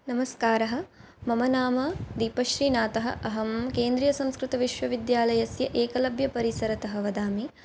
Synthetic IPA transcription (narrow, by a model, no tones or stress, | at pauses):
nɐmɐskaːɾɐɦɐ̆ | mɐmɐnaːmɐd̪iːpɐʃɾiːnaːt̪ɐɦɐ̰̆ʔɐɦɐmkeːnd̪ɾijɐsɐ̃mskɾɪt̪ɐʋiʃʋɐʋid̪jaːlɐjɐsjɐʔeːkɐlɐbʱjɐpɐɾisɐɾɐt̪ɐɦɐʋɐd̪aːmi